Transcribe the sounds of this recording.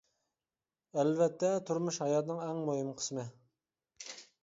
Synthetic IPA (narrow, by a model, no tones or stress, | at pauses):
ɛlvɛt̪ːɛt̪ʰuɾmuʃhɑjɑt̪ɨnɨŋɛŋmoɦɨmqʰə̥smɨ